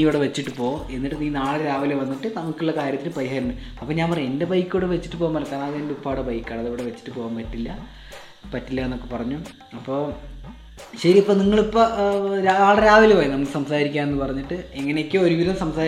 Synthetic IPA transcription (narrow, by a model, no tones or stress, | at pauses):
iʋiɽeʋet͡ɕːiʈːɨpoːe̞nːiʈːɨniːnaːɭeɾaːʋileʋɐnːiʈːɨnɐmukːuɭːɐkaːɾʲjɐt̪ːilpɐɾiɦaːɾinːɨɐpːoɲaːmpɐreende̞bɐjkːiʋɽeʋet͡ɕːi̥ʈːɨpo̞ːmɐlɐkːaːnɐðɨendeupːaːɽebɐjkːaːɳɐðiʋiɽeʋet͡ɕːi̥ʈːɨpo̞ːɣaːmpɐtːilːɐ | pɐtːilːɐenːo̞kːe̞pɐrɐɲːu | ɐpːoː | ɕɐɾiipːoːniŋːɐɭipːoɾaaːɭɐɾaːʋilpoːjinɐmukːɨsɐmsaːɾikʲːaːne̞nːɨpɐrɐɲːiʈːɨe̞ŋːɐnekʲːɨoɾuʋiðɐmsɐmsaː